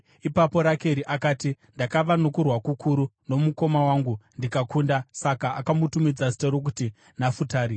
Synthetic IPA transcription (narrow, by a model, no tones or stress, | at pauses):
ipapo̞ɾake̞ɾiʔakaːti | ndakaʋanokurwakukʰuɾuno̞muko̞mawaŋɡundikakundasakaːkamutumid͡zasi̥toɾok̬uti | nafutaːɾi